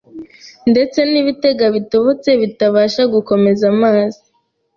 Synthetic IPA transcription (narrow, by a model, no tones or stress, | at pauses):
nde̞t͡se̞niːβite̞ɡaβitoβot͡se̞βitaβaːʃaɡuko̞me̞zamaːzi